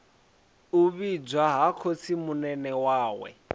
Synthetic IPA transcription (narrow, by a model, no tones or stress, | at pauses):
uβid͡ʒwaɦakʰot͡sʰimunɛnɛwaːwɛ̰